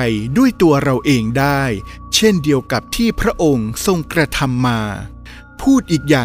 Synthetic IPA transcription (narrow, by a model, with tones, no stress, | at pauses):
jdu˥˩əjt̪u˧ɐɾa˧wʔeː˧ŋdaː˥˩jt͡ɕʰe˥˩ndi˧əwka˨˩p̚t̪ʰiː˥˩pʰɾa˦˥ʔo˧ŋso˧ŋkɾa˧t̪ʰa˧mːaː˧ | pʰuː˥˩t̪̚ʔiː˨˩k̚jaː˨˩